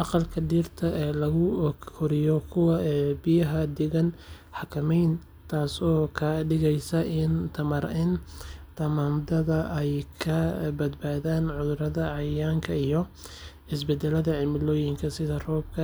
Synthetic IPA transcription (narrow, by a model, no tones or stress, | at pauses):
ʔɑqɑlkʰɐɖiːrt̪ʰɐʔɛːlɐɣʊkʰʊɾɪjɔkʰʊwɑɛbɪjɐɦɐd̪ɪɣɐn | ħɑkʰɐmɛjn | t̪ʰaːsɔːkʰɐɖɪɣɛjsɐʔɪnt̪ʰɐmɐɾɪnt̪ʰɐmaːmd̪ɐðɐɛjkʰɐbɐd̪baːðaːnʕʊðʊɾɐðɐʕɑjaːŋkʰɐijɔ | ɪsbɛd̪ɛlɐðɐʕɪmɪlɔːjɪŋkʰɐsɪðɐrɔːb̚kʰɐ